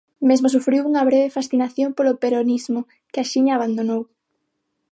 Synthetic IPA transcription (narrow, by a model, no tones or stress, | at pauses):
mezmosufɾiwuŋɐβɾeβ̞efasθinaθjompolopeɾonizmʊ | kɪaʃiɲaːβand̪onow